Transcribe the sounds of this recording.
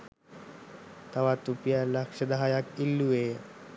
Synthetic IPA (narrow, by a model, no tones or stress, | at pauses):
t̪aʋat̪upijalakʂəd̪aɦajakilːue